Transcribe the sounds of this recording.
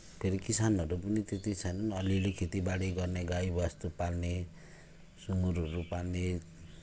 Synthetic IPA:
pʰeɾikisanʌɾupʌnit̪et̪it͡sʰʌjnʌnʌlilekʰet̪ibaɽeɡʌrneɡajbʌst̪upalne | suŋuɾʌɾupalne

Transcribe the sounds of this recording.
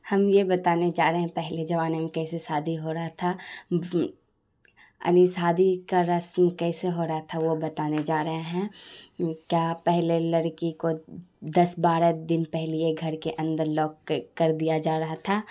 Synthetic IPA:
hɐmjebɐt̪aːned͡ʒaːɾɦeɦɛ̃pɛɦled͡ʒɐʋaːnemẽkɛːsesaːd̪ʱiɦoɾɐɦat̪ʰa | ɐ̰nisaːd̪ʱikaɾɐsmkɛːseɦoːɾɐɦat̪ʰaʋobɐt̪aːned͡ʒaːɾɐɦaɦɛ̃ | kjaːpɛɦlelɐɾkikod̪ɐsbaːɾəd̪ɪnpɛɦlijeɡʱɐɾkeʔɐ̃nd̪əɾlɔːkkɐɾd̪ijad͡ʒaːɾɐɦat̪ʰaː

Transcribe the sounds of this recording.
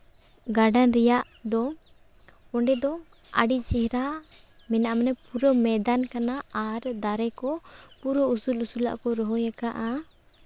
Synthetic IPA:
ɡaɖanɾɛjaʔ | d̪ɔ | ɔɳɖɛd̪ɔ | a̰ɖit͡ʃɛɦɾa | mɛnaʔmnɛpuɾɔmɛd̪ankanaːɾd̪aɾɛkɔpuɾɔusulusula̰ʔkɔɾɔɦɔjakaʔa

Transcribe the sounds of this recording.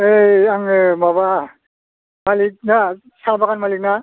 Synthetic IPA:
ejaŋmaba | malik̚na | sabakanmalik̚na

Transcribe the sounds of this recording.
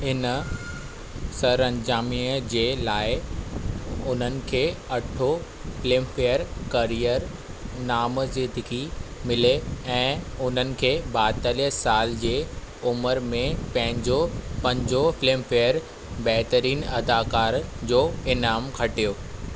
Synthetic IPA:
hɪnə | sɐɾɐ̃ɲd͡ʑaːmiːəd͡ʑeːlaːɪ | ʊn̤ənɪ̆kʰeːɐʈʰo | flɪmfejəɾkɐɾijəɾ | naːmzɪnd̪ɪɡimɪleɛ̃ːʊn̤ənɪ̆kʰeːbaːt̪əliəsaːld͡ʑeː | ʊməɾmẽpɐ̃ɦɪ̃ɲd͡ʑopɐ̃ɲd͡ʑofɪleːmfejəɾ | bɛːɦt̪əɾiːnɐd̪aːkaːɾd͡ʑoːɪnaːmkʰɐʈijoː

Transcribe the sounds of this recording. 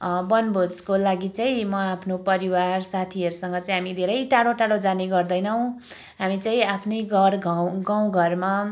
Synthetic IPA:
bʌnbʱod͡zkolaɡit͡saĩmʌapʰnopʌɾiwarsat̪ʰiɦʌɾusʌŋɡʌt͡saĩɦamid̪ʱeɾʌjʈaɽoʈaɽod͡zaneɡʌrd̪ʌjnʌw̃ | ɦamit͡saĩapʰneɡʌrɡʱʌwɡaw̃ɡʱʌrma

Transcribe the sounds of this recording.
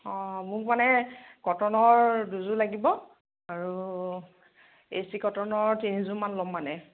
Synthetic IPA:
ɔ̃mʊkmanɛɡ̥ɔtɔnɔɹduzulaɡibɔ | aɹu | ḛsikɔtɔnɔɹtinizumanlɔmːanɛ

